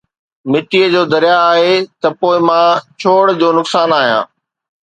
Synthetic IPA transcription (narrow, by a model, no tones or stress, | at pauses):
mɪʈiəd͡ʑoːd̪ɐɾijaaːɦet̪ɐpoːɪmãt͡ɕʰoːɽd͡ʑoːnʊksaːnaːɦijã̰ː